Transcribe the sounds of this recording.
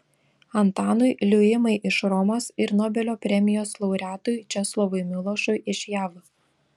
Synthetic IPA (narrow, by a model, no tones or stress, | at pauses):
ɐnt̪ɑːnʊɪlʲʊjɪmɐɪʔɪʃɾɔmoːsɪɾnɔːbʲɛlʲoːpʲɾʲɛmʲɪjoːslˠɒʊɾʲæːt̪ʊɪt͡ʃʲɛslˠɔʋʊɪmʲɪlˠɔʃʊɪʔɪʃʲjæːʋ